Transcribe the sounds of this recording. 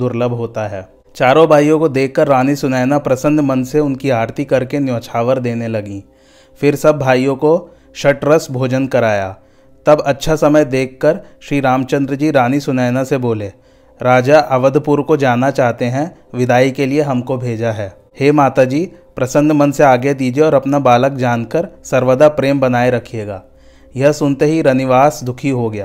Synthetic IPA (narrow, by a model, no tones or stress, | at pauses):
d̪ʊɾləbʱɦoːt̪aɦɛː | t͡ʃaːɾõbʱaːjõkod̪eːkʰːəɾːaːnisʊnɛːnapɾɐsə̃nd̪ʱmɐnseʊnkiaːɾt̪ikɐɾkenjoːt͡ʃʰaːʋəɾd̪eːnelɐɡĩː | fɪɾsɐbːʱaːijõko | ʃɐʈɾəsbʱoːd͡ʒənkɐɾaːja̰ː | t̪ɐbɐtːʃʰasɐməjd̪eːkʰːəɾʃɾiːɾaːmt͡ʃə̃nd̪ɾəd͡ʒiːɾaːnisʊnɛːnaseboːleː | ɾaːd͡ʒaʔɐʋəd̪ʱpʊɾkod͡ʒaːnːat͡ʃaːɦt̪eɦɛ̃ʋɪd̪aːikelieɦɐmkobʱeːd͡ʒaɦɛː | heːmaːt̪ad͡ʒiː | pɾɐsə̃nd̪ʱmɐ̃nseaːɡed̪iːd͡ʒeɔːɾɐpnabaːləkd͡ʒaːnkəɾsɐɾʋəd̪apɾeːmbɐnaːeɾɐkʰieːɡaː | jɐɦsʊnt̪eɦiɾɐnɪʋaːsd̪ʊkʰiɦoɡɐja̰ː